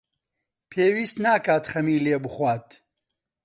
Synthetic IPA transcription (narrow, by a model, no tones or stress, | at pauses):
pʰeːwiːst̪naːkaːt̪xɐmiːleːbɨxwaːt̪